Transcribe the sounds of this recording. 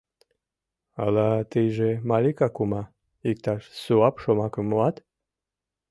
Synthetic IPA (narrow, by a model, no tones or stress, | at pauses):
alat̪iʒemalʲikakuma | ik̚t̪aʃsuapʃomakəmuat̪